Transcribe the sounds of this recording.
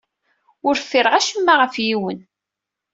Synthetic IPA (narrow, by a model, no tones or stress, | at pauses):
ʊɾfiɾʁæʃəmːaʁəfjiwən